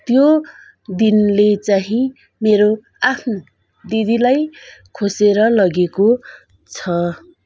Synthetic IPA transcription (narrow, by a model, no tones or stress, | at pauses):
t̪jo | d̪inlet͡saɦĩ | meɾo | apʰno | d̪id̪ilajkʰoseɾʌlʌɡeko | t͡sʰʌ